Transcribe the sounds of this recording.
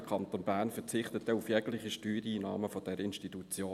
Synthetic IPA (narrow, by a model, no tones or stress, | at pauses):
kʰɑnt̪onbæːʁnfət͡sɪχt̪ətdɛufjɛɡlɪχiʃtyːɾiːnɑ̰ːməfɔd̥ɛɾɪnʃtitut͡sjoː